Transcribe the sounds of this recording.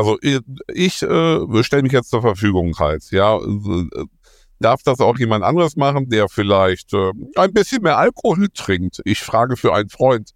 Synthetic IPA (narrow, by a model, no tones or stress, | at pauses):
ʔalzoʔʔɪçʔɛːʃtɛləmɪçjɛt͡stt͡suːɐfɛɐfyːɡʊŋha̰ltjaː | d̥aɐfd̥asaʊxjeːmantʔa̰ndʁəsmaχn̩deːɐfɪlaɪçtʔɛːʔaɪnbɪsçənmeːɐʔalkʰohultːʁ̥ɪŋk̚tʔɪçfʁ̥aːɡəfyːɐʔaɪnənfʁ̥ɔʏnt